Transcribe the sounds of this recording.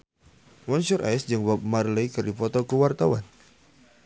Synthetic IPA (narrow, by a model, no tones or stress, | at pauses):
wɔnsuɾʔa̰jsd͡ʒɨŋbap̚marləjkɨrdifɔt̪ɔkuwart̪awan